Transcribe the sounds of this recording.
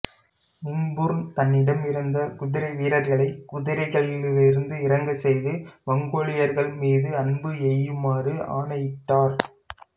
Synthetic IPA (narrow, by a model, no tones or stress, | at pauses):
mɪŋbɯɾnt̪ɐnːɪɽɐmɪɾɯnd̪ɐkʊðɪɾɐɪʋiːɾɐɾɣɐɭɐɪkʊðɪɾɐɪɣɐɭɪlɪlɪɾɯnd̪ɯɪɾɐŋɡɐsɛjðɯʋɐŋɡoːɭɪjɐɾɣɐɭmiːðɯɐnbɯɛjːɯmaːrɯʔa̰ːɳɐjɪʈːaːɾ